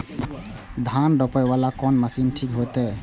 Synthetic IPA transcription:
d̪ʱanɖɔpɛβalakɔnməsinʈʰikɦot̪ɛ

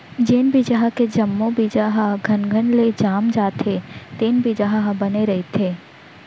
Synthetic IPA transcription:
d͡ʒeːnbid͡ʒaɦked͡ʒɐmːõbid͡ʒaɦɡʱɐnɡʱənled͡ʒaːmd͡ʒaːt̪ʰet̪eːnbid͡ʒaɦɦbɐneɾɐɦit̪ʰeː

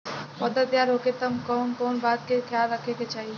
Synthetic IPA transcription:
pɐd̪ət̪jaːɾɦoːket̪ɐmkɔːnkoːnbaːd̪̚kexʰjaːlːəkʰeket͡ʃaːɦi

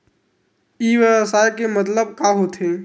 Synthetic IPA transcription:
iːʋəsaːjkemət̪̬ləb̚kaɦot̪ʰɦe

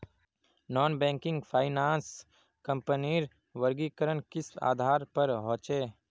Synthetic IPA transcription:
nɔːnbɛ̃ːŋkɪ̃ŋɡpʰaːɪnaːns | kə̃mpəniɾ | ʋəɾɡikəɾənkɪsa̰ːd̪ʱaːɾpɐɾɦõːt͡ʃeː

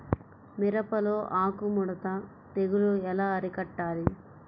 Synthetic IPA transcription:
miɾɐpɐloːʔaːkumuɽɐt̪ɐ | t̪eɡuluɛlaːɐɾikɐʈːaːli

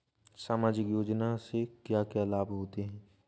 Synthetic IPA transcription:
saːmaːd͡ʒɪkjoːd͡ʒnasekjaːkjaːlaːbɦoːt̪eɦɛ̃ː

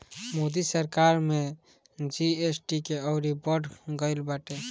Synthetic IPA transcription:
moːd̪isəɾkaɾmẽ | d͡ʒiesʈikeɔʊɾibəɖɡəɪlbaʈe

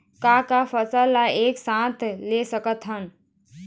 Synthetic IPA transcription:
kakafəsəːlaeːksãːt̪ʰleːsəkət̪ɦən

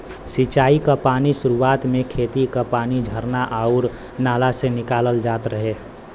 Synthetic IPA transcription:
sit͡ʃaːikapaːnisʊɾuaːt̪mẽkʰeːt̪ikapaːnid͡ʒʱəɾnaʔaʊɾ | naːlasenɪkaːləld͡ʒaːt̪ɾəɦe

